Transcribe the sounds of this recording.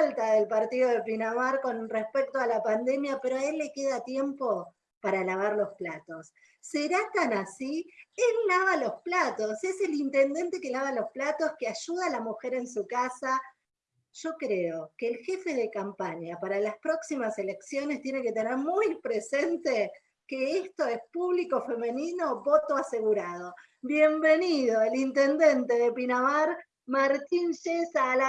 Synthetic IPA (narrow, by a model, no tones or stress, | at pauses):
lt̪aðelpaɾt̪iðo̞ðepinamaɾko̞nrespek̚t̪oalapand̪e̞mjape̞ɾoae̞lːe̞ke̞ðat̪je̞mpo̞ | paɾalaβ̞aɾlo̞splat̪o̞sː | eɾat̪anasielːaβalo̞splat̪o̞se̞se̞lint̪e̞nd̪e̞nt̪e̞ke̞laβalo̞splat̪o̞skeaʒuðalamuxe̞ɾe̞ns̬ukasa | ʒ̥o̞kɾeo̞keːlxe̞fe̞ðekampaɲapaɾalaspɾo̞ksimase̞le̞ksjonest̪je̞ne̞ket̪eneɾmujpɾesent̪e | keest̪o̞espuβliko̞fe̞me̞nĩno̞βo̞t̪oase̞ɣuɾaðo̞ | βje̞mbe̞niðo̞elint̪e̞nd̪e̞nt̪eðe̞pinamaɾ | maɾt̪inʃesala